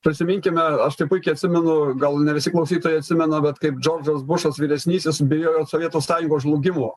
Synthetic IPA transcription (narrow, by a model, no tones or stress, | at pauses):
pʲɾʲɪsʲɪmʲɪŋʲkʲɪmʲɛɐʃt̪ɐɪpʊɪkʲɛɪɐt̪ʲsʲɪmʲɛnʊɡɐlˠnʲɛʋʲɪsʲɪklˠɐʊsʲiːt̪oːjɛɪɐt̪sʲɪmʲɛnɐbʲɛt̪kɐɪp̚d͡ʒʲoːrd͡ʒɐsbʊʃɐsʋʲiːɾʲɛsʲnʲiːsʲɪsbʲɪjoːjoːsoʋʲiɛt̪oːsɑːjʊŋɡoːʒlˠʊɡʲɪmoː